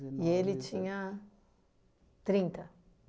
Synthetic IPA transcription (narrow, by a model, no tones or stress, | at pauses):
jeːlit͡ʃiŋa | t̪ɾint̪ɐ